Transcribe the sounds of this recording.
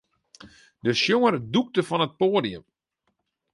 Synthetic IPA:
dəʃjoŋərduk̚təfɔnət̚poːdiəm

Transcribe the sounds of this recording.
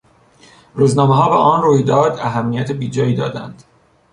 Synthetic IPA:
ruːznɒːmeɦɒːbeʔɒːnroːjd̪ɒːd̪æɦæmːijæt̪ʰebiːd͡ʒɒːjiːd̪ɒ̰ːd̪æ̰nd̪̥

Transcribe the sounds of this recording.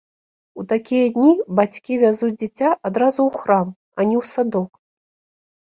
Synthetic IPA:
ut̪akʲijɐd̪ʲnʲibat͡sʲkʲivʲazud͡zʲd͡zʲit͡sʲaʔad̪ɾazuwxɾam | ɐnʲɛwsad̪ɔk

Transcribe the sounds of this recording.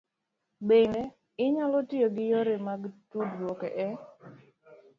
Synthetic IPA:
beŋe | ɪɲalɔtɪoɡɪjoɾemaɡtudɾwɔkɛʔɛ

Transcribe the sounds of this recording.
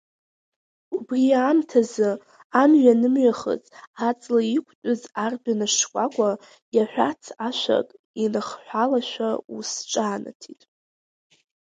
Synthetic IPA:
ubriamtʰazɨ | amɥᶣanɨmɥaχə̰t͡sʼat͡sʼlaikʷʰtʷʼʊzarbanɨʂkʷʼakʷʼa | jaħʷᶣat͡sʰaʃʷa̰kʼ | inɨχħʷalaʃʷᶣausʈ͡ʂʼaːna̰tʰitʼ

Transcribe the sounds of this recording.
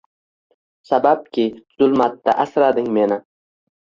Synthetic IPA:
sabap̚kʲʰɪz̥ʊlˠmat̪ːa̰ʔasɾad̪ɪŋme̞nɪ

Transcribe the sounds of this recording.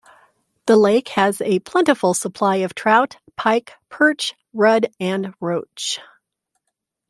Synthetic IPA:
ðəleɪkhɨzɨpʰl̥ɛ̃ntɨfl̩ˠsəpʰl̥aɪʌv̥tʰɹ̥aʊt | pʰaɪkpʰɜ˞t͡ʃ | ɹʌɾɨ̃nɹoʊt͡ʃt͡ʃ

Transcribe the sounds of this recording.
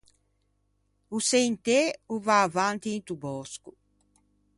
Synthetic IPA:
usejnt̪euvaːvant̪iːnt̪ubɔsku

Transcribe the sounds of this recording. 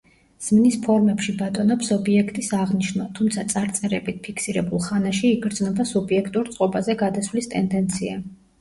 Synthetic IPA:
z̥mnispʰɔɾmɛpʃibat̪ʼɔnɔpsɔbiɛkʰt̪ʼisaʁniʃnɔt̪ʰumt̪sʰat̪sʼaɾt̪sʼɛɾɛbit̪̚ʰpʰikʰsiɾɛbulˠχanaʃiːɡɾd̪znɔbasubiɛkʰt̪ʼuɾt̪sʼqʼɔbazɛɡad̪asvlist̪ʼɛnd̪ɛnt̪sʰia

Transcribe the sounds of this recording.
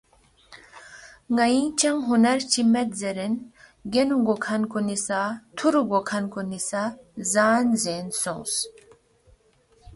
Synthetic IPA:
ŋɐĩt͡ɕɐŋɦunɐɾt͡ɕimɐt̪zeɾen | ɡenuɡokʰɐnkunisat̪ʰuɾuɡokʰɐnkonisazaːnzeːnsõ̰ːs

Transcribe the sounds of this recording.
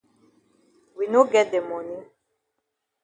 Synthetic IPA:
winoɡɛt̚d̪emɔnĩ

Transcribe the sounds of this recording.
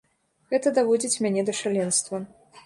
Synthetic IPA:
ɣɛt̪ɐd̪avɔd͡zʲit͡sʲmʲanʲɛd̪ɐʂalʲɛnst̪vɐ

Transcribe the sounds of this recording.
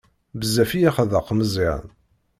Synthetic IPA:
bəzːæfijæχəðəqːməzˤiʕ̰n

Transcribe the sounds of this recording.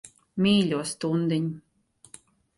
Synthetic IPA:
mʲiːlʲuɔst̪und̪ɨɲʲ

